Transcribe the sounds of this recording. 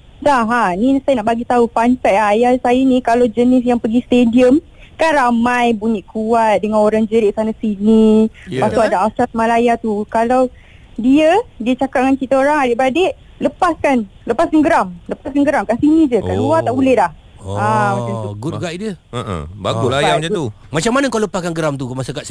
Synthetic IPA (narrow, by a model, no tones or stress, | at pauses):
saɦanĩsajənaʔbaɡit̪aufanfɛʔajasajanĩkalawd͡ʒənis̬jaŋpəɡist̪ediəm | kanramãjbuɲiʔkuat̪̚dəŋãnoɾaŋd͡ʒəɾɪʔ̚sanasinĩpasoadaʔast̪asmalajat̪ukalaw | diədiət͡ʃakat̚ŋant͡ʃit̪aoɾaŋadɪʔbadeʔ | ləpaskanləpaskanɡəɾamləpaskanɡəɾamkaʔsinĩd͡ʒəka̰uat̪aʔbulɛhlah | aaauɡut̪̚ɡaʔidə̰baɡajau | mat͡ʃamːanakaləpaskanɡəɾamt̪ukmasaka